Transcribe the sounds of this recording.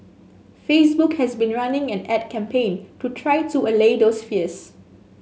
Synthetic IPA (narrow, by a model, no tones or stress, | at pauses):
fesbukhɛsbĩnɹanɪ̃ŋɛ̃nɛd̚kʰɛ̃mpʰẽntutʰɹajtuəledosfiəs